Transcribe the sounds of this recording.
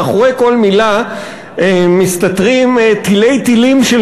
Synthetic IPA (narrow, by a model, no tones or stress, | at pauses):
aχoʁejko̞lmila | emist̪atʁimt̪ile̞jt̪ilimʃe